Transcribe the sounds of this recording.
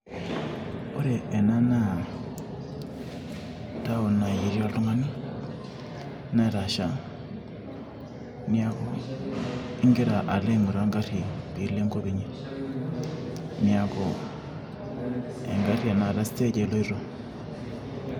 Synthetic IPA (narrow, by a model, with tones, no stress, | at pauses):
o˦ɾe˨ʔe˨na˦na˦ | ta˦o˨na˨ji˨ɾa˦ltu˦ŋa˦ni˦ | na˦˨ɾa˨ʃa˦ | ni˦a˦kɔ˦ | i˦ŋɡe˦ɾa˨ʔa˨le˦˨ŋu˨ɾa˦ŋɡa˦ɾi˨pi˨le˦ŋɡo˦βi˨ɲe˦ | ni˨a˨kɔ˨ | ḛ˨ŋɡa˦ɾi˦a˨na˨la˦si˦te˦ɟe˨lo˦i˦ɾo˦